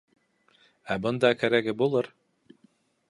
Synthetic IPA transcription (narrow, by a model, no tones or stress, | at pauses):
æbɤnd̪ɑkʰæɾæɡɘbulˠɤɾ